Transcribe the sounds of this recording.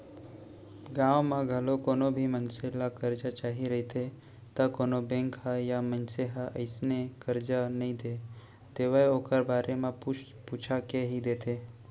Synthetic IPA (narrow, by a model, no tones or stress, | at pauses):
ɡãːʋmãɡʱəlokoːnobʱimənselakəɾd͡ʒat͡ʃaːɦiɾəɦit̪ʰe | t̪əkoːnobẽŋkɦajamənseɦaʔə̰ɪsnekəɾd͡ʒanəɦĩd̪e | t̪eːʋəeoːkəɾbaːɾʔemã | put͡ʃʰakeɦid̪eːt̪ʰe